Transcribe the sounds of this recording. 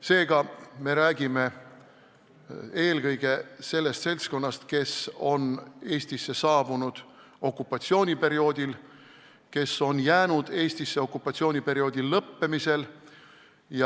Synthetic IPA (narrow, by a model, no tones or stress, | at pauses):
se̞ːɡ̥ɑme̞ɾæːɡ̥ime̞ | e̞ːlɡɤjɡ̥e̞se̞lːe̞st̪se̞lʲsko̞nːɑst̪ke̞so̞ne̞ːst̪isːe̞sɑːb̥unud̪̥ | o̞kːˑupːˑɑt̪sio̞ːnʲipe̞ɾio̞ːd̪ʲil | ke̞so̞njæːnud̪̥e̞ːsʲt̪isːe̞o̞kːˑupːˑɑt̪sio̞ːnʲipe̞ɾio̞ːd̪̥illɤpːe̞mise̞l | jɑ